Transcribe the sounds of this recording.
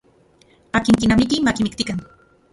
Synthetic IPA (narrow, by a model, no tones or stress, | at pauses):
akɪŋkinamikimakimɪk̚t̪ikaŋ